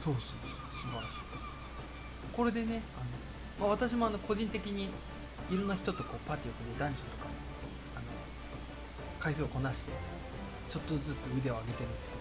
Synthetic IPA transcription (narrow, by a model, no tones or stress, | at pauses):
so̞ːsoːsoːsɨbaɾaɕi̥ː | ko̞ɾe̞d̪e̞ne̞ano̞ | maβ̞at̪aɕ̬imo̞ano̞ko̞ʑĩnt̪e̞kʲiɲ̟i | iɾõ̞nːaçi̥t̪o̞t̪o̞ko̞ːpaːt̪ʲiokɯd̪ed̪ãɲ̟d͡ʑot̪o̞̥ka̰ | ano̞ | kais̬eoko̞naɕi̥t̪e̞̰ | t͡ɕo̞t̪ːo̞d͡zɨt͡sɨɯ̟d̪e̞o̞aɡe̞t̪e̞ɾɯ̟